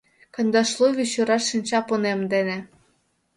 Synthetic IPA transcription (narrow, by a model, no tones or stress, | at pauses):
kɤ̆nʲd̪ɑʃlˠovʲiɕuɾɑʃːinʲt͡ɕɑponemd̪enĕ